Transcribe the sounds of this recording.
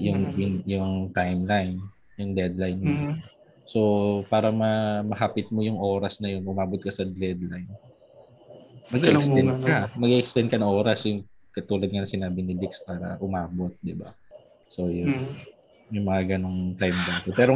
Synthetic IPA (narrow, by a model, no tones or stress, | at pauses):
jʊŋɪnjʊŋt̪ajmlajn | jʊŋd̪ɛd̪lajnmo | so̞paːɾɐmɐmɐɦapɪt̪̚mojʊŋʔo̞ːɾɐsnɐjonʔʊmaːbot̪̚kɐsɐd̪lɛd̪lajn | mɐɡiʔɛkst̪ɛnd̪̚kɐmɐɡiʔɛkst̪ɛn̚kɐnɐŋʔoːɾɐsjʊŋ | kɐt̪uːlɐd̪̚ŋɐnɐŋsɪnaːbɪnɪd̪ɪkspaːɾɐ̰ʔʊmaːbo̞t̪̚d̪ɪba̰ | so̞jʊ | mɐjmɐŋaɡɐno̞ŋt̪ajmd̪aːt̪opɛːɾo